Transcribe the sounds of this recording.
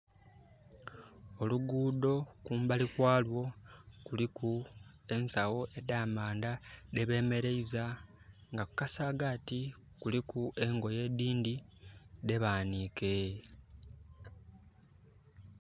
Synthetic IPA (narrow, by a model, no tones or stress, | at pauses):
o̞luɡuːdo̞kuːmbalikwaːlwo̞kulikʰu | e̞nsawo̞ʔe̞daːmaːndade̞βe̞ːme̞ɾe̞iza | ŋɡakukasaːɡati | kulikuʔe̞ŋɡo̞je̞ːdiːndide̞βaːniːke̞